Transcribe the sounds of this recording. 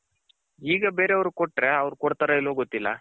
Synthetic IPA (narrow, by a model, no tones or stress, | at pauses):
iːɡɐbe̞ːɾeɐʋɐɾukoʈːɾe̞ɐʋɾukoɽt̪aɾɐiloːɡot̪ːilːɐ̰